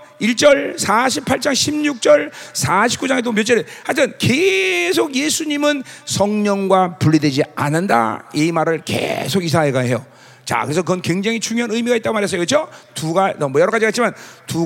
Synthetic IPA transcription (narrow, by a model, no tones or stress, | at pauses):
iɭt͡ɕ͈ʌɭsʰaɕʰipʰaɭt͡ɕ͈aŋɕʰimɲuk̚t͡ɕ͈ʌɭsʰaɕ̬ʰi̥p̚k͈ud͡ʑaŋedomjot͡ɕ͈eɾehatʰɯnkesʰoɡjesʰuɲimɯnsʰʌŋɲʌŋɡwapuʎːidwe̞d͡ʑia̰nɯnda̰iimaɾɯɭkḛsʰoɡis̬ʰaeɡaɦejo | t͡ɕa̰kɯɾe̞sʰʌkɯʌnkwe̞ŋd͡ʑaŋɦit͡ɕuŋjoɦanɯimiɡait͈aɡomaɾɦes̬͈ʌjokɯt͡ɕʰotuɡanʌmʌjʌɾʌɣad͡ʑikatt͡ɕ͈ʰimantu